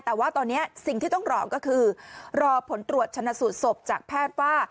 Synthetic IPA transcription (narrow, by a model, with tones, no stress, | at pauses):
t̪ɛː˨˩waː˥˩t̪ɔː˧nːi˦˥ɐsi˨˩ŋt̪iː˥˩ɔ˥˩ŋɾɔː˧kɔː˥˩kʰɯː˧ɾɔː˧pʰo˩˦nt̪ɾu˨˩ət̪̚t͡ɕʰa˧nːa˧˥su˨˩t̪̚so˨˩p̚t͡ɕaː˨˩k̚pʰɛː˥˩t̪̚waː˥˩